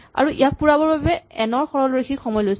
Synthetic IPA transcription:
a̰ɹuʔḭjapuɹabɔɹbabɛɛnɔɹxɔɹɔlɹixʰikxɔmɔjlojs

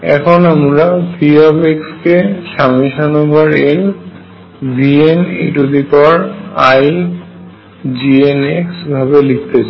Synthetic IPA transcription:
ɛ̰kʰɔnamuɹapʰiabekskesamiʃɔnɔbaɹen | bʱienḭʈud̪ikɔɹaj | d͡ʑieneksbʱabelikʰt̪et͡ɕʰa

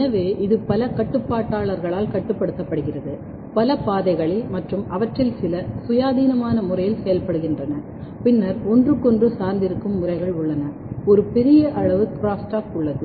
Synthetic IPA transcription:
nɐʋeːʔɪðɯpɐlɐkɐʈːɯpːaːʈːaːɭɐɾɣɐɭaːlkɐʈːɯpːɐɽɯt̪ːɐpːɐɽɯɣɪrɐðɯ | pɐlɐpaːðɐɪɣɐɭɪmɐʈrɯmɐʋɐʈrɪlsɪlɐsʊjaːðiːnɐmaːnɐmʊrɐjɪlsɐjɐlpɐɽɯɣɪndrɐnɐ | pɪnːɐɾɔndrɯkːɔndrɯsaːɾnd̪ɪɾɯkːɯmːʊrɐɪɣɐɭʊɭːɐnɐ | ɔɾɯpɛɾɪjɐʔɐɻɐʋɯkɾaːsʈaːkʊɭːɐðɯ

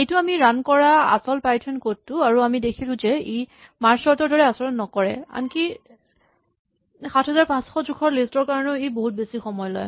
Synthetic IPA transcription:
ejtʊamiɹankɔɹaa̰sɔlpajtʰɛnkotːʊaɹuamidekʰilʊ̃zɛej | maɹsɔɹtɔɹdɔɹɛasɔlɔnɔkɔɹɛ̰a̰nki | xatʰɦɛzaɹpãsxɔzukʰɔɹlistɔɹkaɹɔnɔeboɦut̚besixɔmɔjlɔ̰j

